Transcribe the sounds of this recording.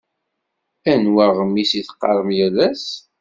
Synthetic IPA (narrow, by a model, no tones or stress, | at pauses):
ænwæʁəmːisiθqːɑɾˤəmjælæs